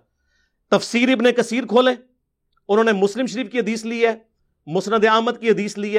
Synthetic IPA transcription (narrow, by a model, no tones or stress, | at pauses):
t̪əfsiːɾɪbnekəsiːɾkʰoːleː | ʊnõːnemʊslɪmʃəɾiːfkiɦəd̪iːsliːɛː | mʊsnəd̪eaːmət̪̚kiɦəd̪iːsliːɛː